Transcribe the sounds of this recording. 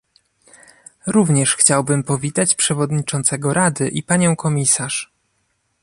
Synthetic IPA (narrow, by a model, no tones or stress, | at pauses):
ɾuvɲɛʂxt͡ɕawbɘmpɔvʲit̪at͡ɕpʂɛvɔd̪ɲit͡ʂɔnt̪sɛɡɔɾad̪ɘʔipaɲɔ̃w̃kɔmʲisaʂ